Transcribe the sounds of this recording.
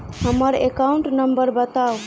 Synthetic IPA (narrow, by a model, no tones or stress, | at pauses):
həməɾekauɳʈnəmbəɾbət̪ao